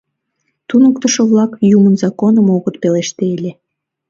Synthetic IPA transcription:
t̪unəkt̪əʃŏβlɑkjumənzɑkonəmoɣət̪̚peleʃt̪elʲe

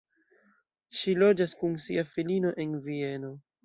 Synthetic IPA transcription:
ʃilo̞d͡ʒaskunsiafilino̞ʔe̞nvie̞no̞

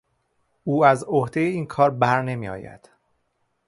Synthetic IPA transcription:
ʔuːæzohd̪e̞jeiːnkʰɒːɾbæɾne̞mḭːɒ̰ːjæ̰d̪̥

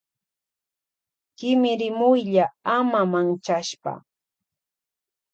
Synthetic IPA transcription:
kɪmɪɾɪmʊjʎaamamant͡ʃaʃpa̰

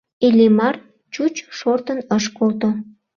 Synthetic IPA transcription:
elʲemɑr | t͡ɕut͡ɕʃort̪ənəʃkolt̪o

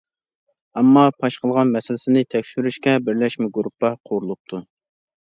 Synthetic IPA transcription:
ɑmːɑpʰɑʃqʰəlˠʁɑnmɛsɪlɪsɪnɪt̪ʰɛkʲʃyɾyʃkʲɛbɪɾlɛʃmɪɡuɾupːɑqʰoɾulˠup̚t̪ʰu

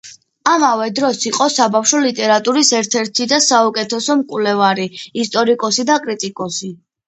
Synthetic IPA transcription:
amavɛd̪ɾɔsiqʼɔsabafʃɔlit̪ʼɛɾat̪ʼuɾisɛɾt̪ʰɛɾt̪ʰid̪asaukʼɛt̪ʰɛsɔmkʼwlɛvaɾiːst̪ʼɔɾikʼɔsid̪akʼɾit̪ʼikʼɔsi

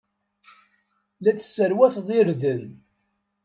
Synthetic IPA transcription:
læt͡sːə̥sːəɾwæθðˤɪɾðəl

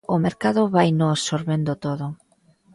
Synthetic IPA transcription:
ʊmeɾkaðʊβajnosoɾβend̪ot̪oðʊ

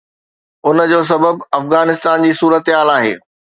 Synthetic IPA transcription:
ʊnd͡ʑoːs̬ɐbəbɐfɣaːnɪst̪aːnd͡ʑiːsuːɾət̪ɦaːlaːɦḛː

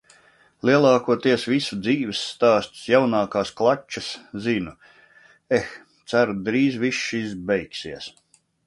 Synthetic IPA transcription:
lʲiɛlˠɑːkuɔt̪iɛsvisud̪ziːvɛsːt̪aːst̪ʲi̥sjawnaːkaːsklˠat͡ʃːaszinu | ex | t̪sæɾud̪ɾiːzviʃːizbɛjksiɛs

